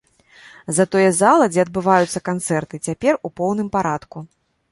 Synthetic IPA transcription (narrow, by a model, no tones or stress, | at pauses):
zɐt̪ɔjɛzalˠɐd͡zʲɛɐd̪̚bɨvajut̪sːɐkant̪sɛrt̪ɨt͡sʲapʲɛrupɔwnɨmpaɾat̪ku